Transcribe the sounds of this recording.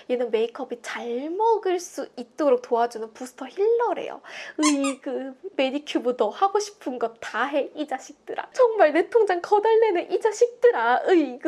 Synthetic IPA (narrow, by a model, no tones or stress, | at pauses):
jenɯnme̞ikʰʌbit͡ɕaɭmʌɡɯɭs͈uit̚t͈oɾok̚toad͡ʑunɯnpusʰɯ̥tʰʌçiɭːʌɾe̞̰jo̰ɯikɯme̞dikʰjubudʰʌhaɡoɕʰi̥pʰɯnɡʌtaɦe̞id͡ʑaɕʰik̚t͈ɯɾa̰t͡ɕʌŋmaɭnetʰoŋd͡ʑaŋkʌdaɭːe̞nɯʔid͡ʑaɕʰik̚t͈ɯɾaɯiɡ